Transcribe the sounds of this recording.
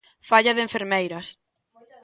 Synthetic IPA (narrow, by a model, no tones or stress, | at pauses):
faʎɐðeɱfeɾmejɾɐs